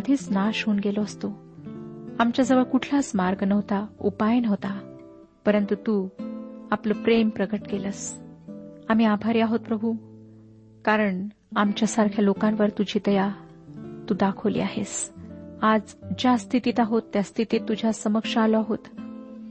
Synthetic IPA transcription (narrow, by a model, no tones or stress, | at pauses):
ad̪ʱiːt͡snaʃɦuːnɡeloəst̪o | amt͡ɕjad͡zəʋəɭkuʈʰlasmaɾɡnəʋt̪aṵpajənɦot̪a | pəɾənt̪ut̪u | apləpɾempɾəɡəʈkeləs | am̤iːabʱaɾiaɦot̪̚pɾəbʱu | kaɾəɳ | amt͡ɕjasaɾkʰjalokãnʋəɾt̪ud͡ʑʱiːd̪əja | t̪uːd̪akʰəʋlḭːaɦes | ad͡zd͡ʑast̪ʰit̪iːt̪aɦot̪ːjast̪ʰit̪iːt̪ːud͡ʑʱasəməkʂaaloaɦot̪